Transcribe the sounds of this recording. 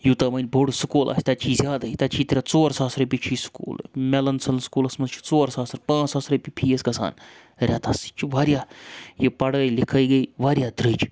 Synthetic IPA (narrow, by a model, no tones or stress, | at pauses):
juːt̪aːmɐnʲboɽsɨkoːlʔa̰ːsʲt̪ɐt͡ʃʰiːzʲjaːd̪ait̪ɐt͡ʃʰiːt̪ɾʲat͡soːɾsaːsɾɐpit͡ʃʰiːskṵːlmɛlɐnsɐlskuːlɐsmɐnt͡ʃʰu̥t͡soːɾsaːsɐɾpãːsaːsɾɐpipʰiːesɡɐsa̰ːn | ɾʲaːt̪ɐsi̥t͡ʃʰuʋaːɾjaːjepɐɽɐlɪkʰəiɡɐiʋaːɾjaːd̪ɾɨt͡ʃʰ